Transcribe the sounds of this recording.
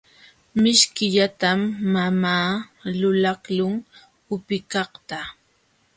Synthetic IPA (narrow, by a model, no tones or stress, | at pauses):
mɪʃkɪʎat̪amːamaːlʊlɑχlʊŋ | ʊpɪkɑχt̪a